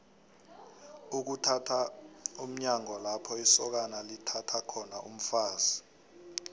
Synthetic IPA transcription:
uk̬utʰatʰaum̩ɲaŋɔlapʰɔisɔk̬analitʰatʰakʰɔnaʔṵm̩faːz̥i̥

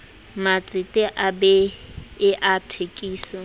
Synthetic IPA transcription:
mat͡sʼɪtʼɪʔabɛɪʔatʰekʼiːsɪ

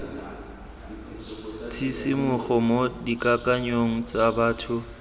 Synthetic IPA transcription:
t͡sʰisɪmʊχʊmodikʼakʼaɲoŋ̩t͡sʼabaːtʰʊ

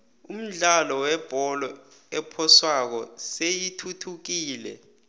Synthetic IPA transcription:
um̩ɮalɔwɛb̥ʱɔlɔ | ɛpʰɔswak̬ɔsejitʰutʰuk̬iːlɛ̰

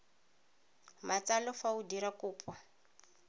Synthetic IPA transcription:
mat͡salɔfaudiɾakuːpwa

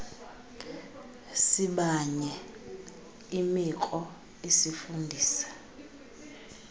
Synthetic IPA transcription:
siɓaɲɛ | imikʼɔ | esifundʱiːsḁ

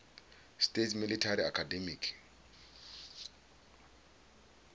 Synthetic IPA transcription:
stʼetʰmilitʰariakʰadɛmikʰ

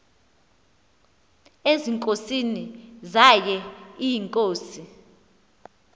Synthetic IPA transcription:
eziŋkʼosinizajɛijiŋkʼoːsi

